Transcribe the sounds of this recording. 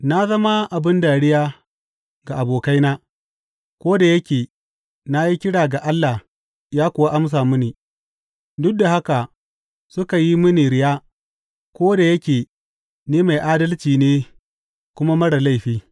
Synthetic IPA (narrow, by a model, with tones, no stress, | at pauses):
na˦zɐ˦ma˦ʔa˨bɪ˦nda˨ɽɪ˦jaː˦ | ɡa˨ʔa˨boː˨ka˦jnaː˦ | kʷoː˦da˨jɐ˦kʲeː˨ | na˦ji˦kʲɪ˦ɽaː˨ɡa˨ʔa˦lːa˨h | jaː˦kʷʊ˨wa˦ʔa˦ms̬aː˨mʊ˦niː˨ | dʊ˦k̚da˨ha˦ka˨ | sʊ˦ka˨ji˦mʊ˦niː˨ɽɪ˦jaː˦ | kʷoː˦da˨jɐ˦kʲeː˨ | neː˦ma˨jʔaː˦dɐ˦lt͡ʃiː˨neː˦ | kʷʊ˦ma˦mɐ˦ɽa˨la˦jɸiː˦